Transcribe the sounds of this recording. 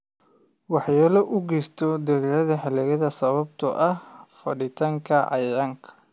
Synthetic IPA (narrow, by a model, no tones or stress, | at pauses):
wɑħjɛːlɔʔʊɡɛːst̪ʰɔd̪ɐɾiːɾɐðɐħɛlɛɣɐðɐsɐβɐb̚t̪ʰɐ̰ʔɐhfɐ̰ɽɪt̪ʰaːŋkʰɐʕɑ̰jɾaŋkʰɐ̥